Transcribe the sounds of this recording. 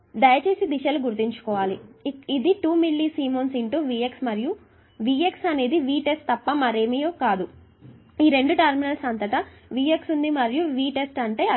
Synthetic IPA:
d̪ɐjɐt͡ʃe̞ːsid̪iʃɐluɡuɾt̪iɲt͡ʃu̥kɔːʋaːliid̪iʈuːmilːisiːmoːnsiɳʈuːʋiːeksmɐɾiju | ʋiːe̞ksɐne̞ːd̪iʋiːʈe̞sʈt̪ɐpːɐmɐɾeːmijoːkaːd̪u | iːɾe̞ɳɖuʈɐɾminɐlsɐnt̪ɐʈɐʋiːe̞ksund̪imɐɾijuʋiːʈe̞sʈɐɳʈe̞ːɐ

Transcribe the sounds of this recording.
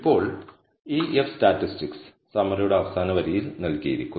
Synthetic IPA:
pːo̞ːɭ | iːʔefstaːtːistiks | sɐmɐɾɐjuɽeɐʋɐsaːnɐʋɐɾijilnɐlkijḭɾikʲːu

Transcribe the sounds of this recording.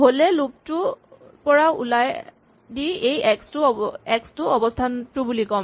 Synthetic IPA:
ɦolɛlup̚tʊ | pɔɹaṵlaj | diejɛkstʊɛkstʊɔbɔstʰantʊbulikɔm

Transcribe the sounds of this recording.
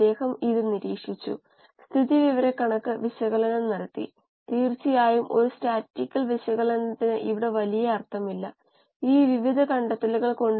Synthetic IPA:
e̞ːhɐmiðiniɾiːkʂit͡ɕːṵ | st̪ʰiðiʋiʋɐɾekɐɳɐkːɨʋiɕɐɣɐlɐnɐmnɐɾɐt̪ːḭ | t̪iːrt͡ɕːijaːjumʔo̞ɾustaːtːikʲːɐlʋiɕɐɣɐlɐnɐt̪ːinɨʔiʋiɽe̞ʋɐlijɐɐrt̪ʰɐmilːɐ | iːʋiʋid̪ʱɐkɐɳɖɐt̪ːɐluɣɐɭko̞ɳɖ

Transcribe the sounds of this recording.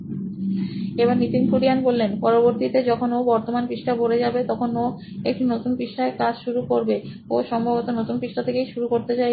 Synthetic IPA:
eβaɾnit̪inkʰuɖianbolːenpɔɾoboɾt̪it̪ed͡ʑɔkʰonobɔɾt̪omanpiʃʈʰaboɾed͡ʑabet̪ɔkʰono | ekʈʰinot̪unpiʃʈaekad͡ʑʃuɾukoɾbe | oʃɔmbʱabot̪onot̪unpiʃʈʰat̪ʰekejʃuɾukoɾt̪et͡ɕaj

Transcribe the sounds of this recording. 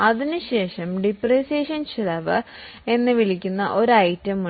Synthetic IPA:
ɐðinɨɕe̞ːʂɐmɖipreːseːʂɐnt͡ɕilɐʋɨ | e̞nːɨʋiɭikʲːunːɐʔo̞ɾɐjtːɐmːu

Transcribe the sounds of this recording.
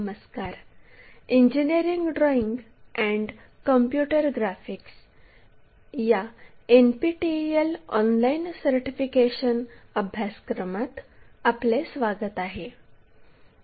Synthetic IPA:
məskaɾ | iɲd͡ʑiniɾiŋɡɖɾɔiŋɡ | ɛ̃ɳɖ | kəmpjuʈəɾɡɾafiks | jaenpiʈielɔnlainsəɾʈifikeɕənəbʱjaskɾəmat̪aplesʋaɡət̪aɦe

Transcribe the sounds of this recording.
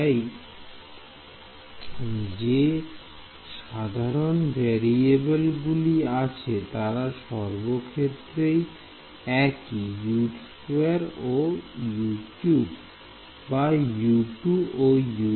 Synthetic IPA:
j | d͡ʑe | ʃad̪ʱaɾonbʱɛɾiebelɡuliat͡ɕʰet̪aɾaʃɔɾbokʰet̪ːɾej | ɛkijuʈ | uaɾojuʈjubː | ajuʈuboju

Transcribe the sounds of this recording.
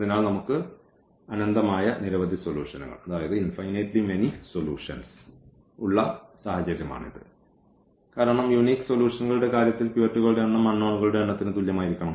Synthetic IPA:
ɐðinaːɭnɐmukːɨ | ɐnɐnd̪ɐmaːjɐniɾɐʋɐd̪ʱisolʲjuːʂɐnṵɣɐ̰ɭɐðaːjɐðɨinfɐjneʈlime̞nisolṵːʂɐns | uɭːɐsaːhɐt͡ɕɐɾjɐma̰ːɳḭðɨ̰ | kaːɾɐɳɐmjuniːkːɨ̥soljuːʂɐnuɣɐɭuɽe̞kaːɾjɐt̪ːilpjuɐʈːuɣɐɭuɽe̞ɐɳːɐmɐnːoːɳuɣɐɭuɽe̞ɐɳːɐt̪ːinɨt̪uljɐmaːjiɾikʲːɐɳɐm

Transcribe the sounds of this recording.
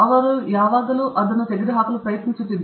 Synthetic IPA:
ɐʋɐɾujaːʋaːd̪ɐluʔɐd̪ɐnut̪eɡiɾiɦaːkulupɾɐjɐt̪niɲt͡ʃut͡ʃːind̪

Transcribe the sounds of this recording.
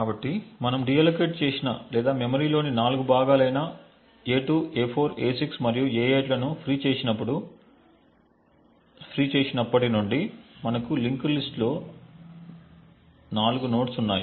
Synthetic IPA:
kaːbɐʈːimɐnɐmɖijɐlɐkeːʈ̚t͡ʃe̞ːsina̰lɛːd̪aːmemɐɾiːlo̞ːninaːluɡubaːɡaːlɐjnaː | eːʈuːeːpʰo̞ːɾeːsiksmɐɾijueːeːʈlɐnupʰɾiːt͡ʃe̞ːsinɐp̬ːuɽu | pʰɾiːt͡ʃe̞ːsinɐpːɐʈinuɳɖimɐnɐkuliŋkɐɾlisʈlo̞ː | naːluɡuno̞ːʈsunːaːju

